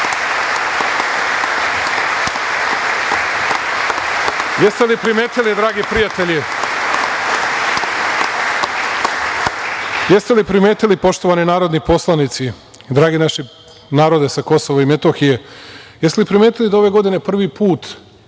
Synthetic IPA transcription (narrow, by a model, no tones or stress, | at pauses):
jest̪elipɾimeːt̪ilid̪ɾaːɡipɾijat̪eʎi | jest̪e̞lipɾime̞ːt̪ilipo̞ʃt̪oʋaninaːɾod̪nipo̞slˠanit̪si | d̪ɾaːɡinaʃi | naːɾo̞d̪e̞sako̞soʋoime̞t̪oxijejest̪elipɾime̞ːt̪ilid̪ao̞ʋe̞ɡo̞d̪ine̞pr̩ʋipuːt̪